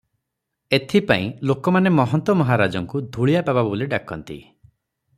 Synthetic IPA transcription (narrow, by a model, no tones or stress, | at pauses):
et̪ʰipaĩlokɔmanemɔɦɔnt̪ɔmɔɦaɾad͡ʒɔŋkud̪ʱuɭijapababoliɖakɔnt̪ḭ